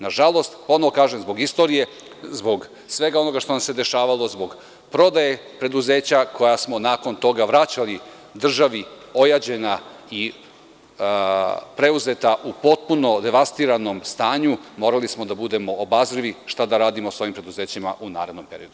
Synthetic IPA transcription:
naʒalˠo̞st̪po̞noʋo̞kaːʒemzbo̞ɡist̪o̞ɾije̞ | zbo̞ɡ | sʋe̞ɡao̞no̞ɡaʃt̪onamse̞d̪e̞ʃaːʋalˠo̞zbo̞ɡ | pɾo̞d̪aje̞pɾe̞d̪uze̞ːt͡ɕakʰo̞jasmo̞naːko̞nt̪o̞ɡaʋɾat͡ɕali | d̪r̩ʒaʋi | o̞jad͡ʑe̞nai | pɾe̞uze̞t̪aʔupo̞t̪̚puno̞d̪e̞ʋast̪iɾano̞mst̪aːɲumo̞ːɾalismo̞d̪abud̪e̞mo̞ːbazɾiʋiʃt̪ad̪aɾaːd̪imoso̞ʋimpɾe̞d̪uze̞ːt͡ɕima̰ʔuna̰ːɾe̞d̪no̞mpeɾḭjod̪u

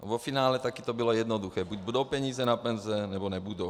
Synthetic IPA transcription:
vofinaːlɛt̪akit̪obilojɛd̪nod̪uxɛːbuɟbud̪owpɛɲiːzɛnapɛnzɛnɛbonɛbud̪ow

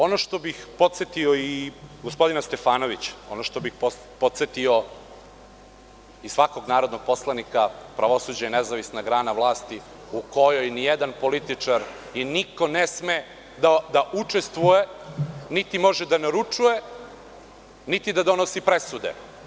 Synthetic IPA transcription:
o̞noʃt̪o̞bixpo̞t̪set̪ioiɡospo̞d̪inast̪e̞faːnoʋit͡ɕo̞noʃt̪o̞bixpo | pot̪set̪io | isʋako̞ɡnaːɾod̪no̞ɡ̚po̞slˠanikapɾaʋo̞suːd͡ʑajnezaʋisnaɡɾaːnaʋlˠaːst̪i | uko̞jo̞jnijed̪anpo̞lit̪it͡ʂaɾ | jiniko̞nesme | d̪ad̪aʔut͡ʂest̪ʋujenit̪imo̞ʒed̪anaɾut͡ʂuje | nit̪id̪ad̪o̞nosipɾesud̪ḛ

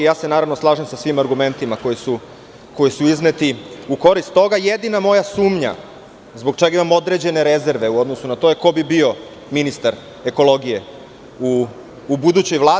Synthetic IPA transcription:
jaːse̞naːɾaʋno̞slˠaːʒemsasʋimaɾɡume̞nt̪imako̞jisu | ko̞jisuiznet̪iuko̞ɾist̪ːo̞ɡajed̪inamo̞jasuːmɲa̰ | zbo̞ɡ̚t͡ʃe̞ɡaimamo̞d̪ɾe̞d͡ʑe̞ne̞ɾeze̞ɾʋe̞uo̞d̪nosunat̪o̞jeko̞bibio̞ | minist̪aɾ | eko̞lˠo̞ɡije̞ | uː | bud̪ut͡ɕo̞jʋlˠaː

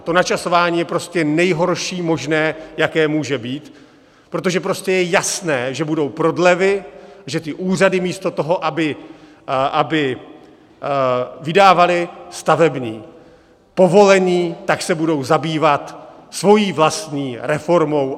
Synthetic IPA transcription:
t̪o̞nat͡ʃaso̞vaːɲiːjɛpɾo̞scɛnɛjɦo̞ɾʃiːmo̞ʒnɛːjakɛːmuːʒɛbiːt̪ | pɾo̞t̪̬oʒɛpɾo̞scɛjɛjasnɛːʒɛbudo̞wpɾo̞dlɛvɪʒɛt̪ɪʔuːr̝adɪmiːst̪o̞t̪o̞ɦo̞ʔabɪ | ʔabɪ | vɪdaːvalɪst̪avɛbɲiː | po̞vo̞lɛɲiːt̪aksɛbudo̞wzabiːvat̪ | svo̞jiːvlast̪ɲiːɾɛfo̞ɾmo̞w

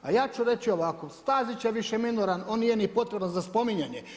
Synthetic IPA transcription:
a̰jaːt͡ʃuɾe̞t͡ʃio̞ʋakosst̪aːzit͡ʃeʋiʃeminoɾano̞ːnːijenipo̞t̪ɾebanzaspo̞miɲaɲe

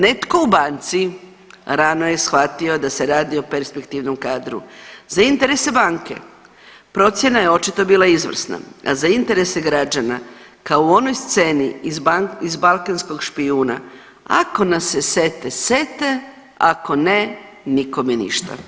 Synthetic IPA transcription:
ne̞t̪ko̞ubant̪si | ɾano̞jesxʋat̪io̞d̪ase̞ɾaːd̪io̞peɾspekt̪iʋno̞mkaːd̪ɾṵzaint̪e̞ɾe̞se̞baːŋke̞̰ | pɾo̞t̪sʲje̞najeo̞t͡ʃit̪o̞biːlˠaizʋr̩sna̰a̰zaint̪e̞ɾe̞seɡɾad͡ʒana | kaouo̞no̞jst̪se̞ni | izbalˠkansko̞ɡʃpiuːna̰ | a̰ko̞nase̞se̞t̪ese̞t̪e̞ | a̰ko̞ne | niko̞mjenḭʃt̪a̰

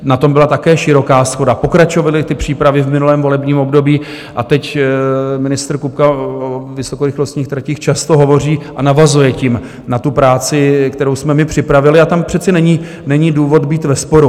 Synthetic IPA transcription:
nat̪o̞mbɪlat̪akɛːʃɪɾo̞kaːsxo̞dapo̞kɾat͡ʃo̞valɪt̪ɪpr̥iːpɾavɪvmɪnulɛːmvo̞lɛbɲiːmo̞bdo̞biː | ʔat̪ɛc | mɪnɪst̪ɾ̩kupkaovɪso̞koɾɪxlo̞st̪ɲiːxt̪ɾaciːxt͡ʃast̪o̞ɦo̞vo̞r̝iːʔanavazujɛcɪm | nat̪upɾaːt͡sɪkt̪ɛɾo̞wsmɛmɪpr̝̥ɪpɾavɪlɪat̪ampr̝̥ɛt͡sɛnɛɲi | nɛɲiːduːvo̞t̪biːt̪vɛspo̞ɾu

